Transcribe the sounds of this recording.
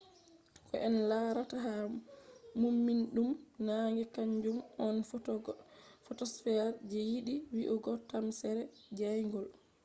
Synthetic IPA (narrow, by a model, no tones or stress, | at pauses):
kɔʔɛnlaɾataɦa | mumːinɗumnaŋɡɛkaɲd͡ʒumɔn | fɔtɔsfɛɾd͡ʒɛjiɗiwiʔɔɡɔtamsɛɾɛd͡ʒajŋɡɔl